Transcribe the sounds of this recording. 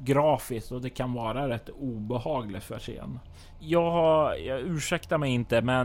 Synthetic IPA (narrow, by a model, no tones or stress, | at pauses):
ɡɾɑːfɪst̪ɔd̪ɛkʰanvɑːɾaɾɛt̪ːuːbɛɦɑːɡlɪt̪fœ̰ʂḛːn | jɑːɡhajɑʉ̟ːʂɛkt̪aɾmɛjɪnt̪əmɛn